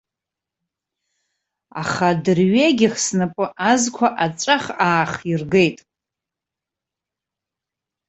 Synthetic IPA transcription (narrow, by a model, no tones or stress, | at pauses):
a̰χadɨrɥeɡʲɪχsnapʼɨʔazkʷʰaʔat͡sʷʼaχaːχirɡejtʼ